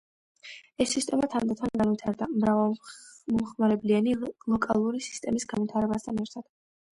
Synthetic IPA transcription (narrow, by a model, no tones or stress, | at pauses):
ɛsːist̪ʼɛmat̪ʰaɾd̪ɛt̪ʰanɡanvit̪ʰaɾd̪amɾavamɔmχmaɾɛblianilˠɔkʼalˠuɾisi̥st̪ʼɛmisɡanvit̪ʰaɾɛbast̪ʰanɛɾt̪ʰad̪̥